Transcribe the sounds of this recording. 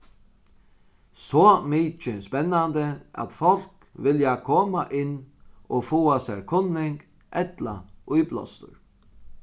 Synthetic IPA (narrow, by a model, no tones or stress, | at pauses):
sɔːmiːt͡ʃɪnspɛnːand̪əa̰t̪fɔl̥k | ʋɪljakʰɔːmaʔɪnːɔfuːasɛɾkʰʊnːɪŋk | ʔɛt̪la̰ʊjplɔ̰st̪ʊ̰ɾ